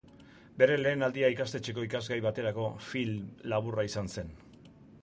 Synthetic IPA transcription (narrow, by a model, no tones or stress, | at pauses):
be̞ɾe̞le̞ːnald̪iaikast̪e̞t͡ʃe̞ko̞ikazɡajβ̞at̪e̞ɾako̞filmlːaβuraisanse̞n